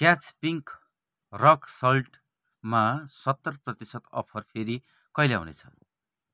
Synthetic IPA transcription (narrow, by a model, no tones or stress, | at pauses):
kjat͡spiŋk | rʌksʌlʈ | masʌt̪ːʌrprʌt̪isʌt̪ʌ̰pʰʌrpʰeɾi | kʌjljawnḛt͡sʰʌ̥